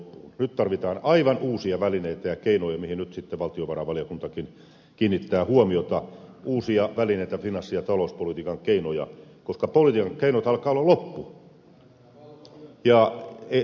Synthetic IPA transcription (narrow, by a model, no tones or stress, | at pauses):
nyt̪t̪ɑrʋit̪ɑːnɑiʋɑnuːsiɑʋælineit̪æjɑkeinojɑmihinnyt̪sit̪ːeʋɑlt̪ioʋɑrɑʋɑliokunt̪ɑkin | kiːnːit̪ːæːhuomiot̪ɑuːsiɑʋælineit̪æfinɑsːijɑt̪ɑlouspolit̪iːkɑŋkeinojɑ̰koskɑpolit̪iːkɑŋkeinot̪ɑlkɑːolːɑlopːu | jɑe